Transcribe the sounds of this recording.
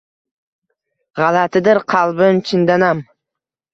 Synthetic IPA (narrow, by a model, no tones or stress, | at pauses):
ʁɑlat̪ʰɪd̪ɪɾqʰɑlˠbɪnt͡ʃʰɪnd̪anam